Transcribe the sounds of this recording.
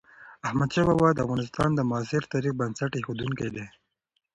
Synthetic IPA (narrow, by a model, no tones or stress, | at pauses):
ahmad̪ʃabawɑd̪əa̰fɣɑnɪst̪ɑ̰nd̪əmʊasɪɾt̪ɑɾik̚bansaʈexod̪uŋked̪e